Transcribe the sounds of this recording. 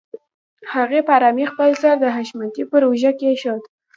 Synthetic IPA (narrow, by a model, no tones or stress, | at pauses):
haɣepaɾɑmixpəlzaɾd̪əɦaʃmant̪ipəɾoʒakeʃɑt̪